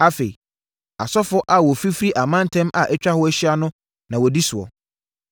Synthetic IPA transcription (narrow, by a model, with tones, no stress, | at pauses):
a˦fe˨i˨ | a˨sɔ˦fʊ˦ʔa˨wɔ˨fi˦fɾi˦ʔa˨mã˦n˦tʰɛ̃˦ma̰˨ʔɛ˦t͡ɕᶣa˦hʊ˦æ˦ɕi˦a˦nʊ̃˦ | nã˨wɔ˨di˦sʊ˨ɔ̰˨